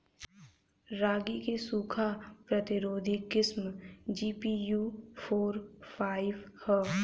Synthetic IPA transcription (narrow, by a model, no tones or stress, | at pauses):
ɾaːɡikesuːkʰapɾɐt̪ɪɾoːd̪ʱikːɪsmd͡ʒiːpijuːpʰoːɾpʰaːɪʋhɛ